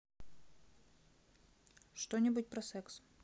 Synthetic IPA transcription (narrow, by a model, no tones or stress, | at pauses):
ʂt̪onʲɪbʊtʲpɾɐsɛks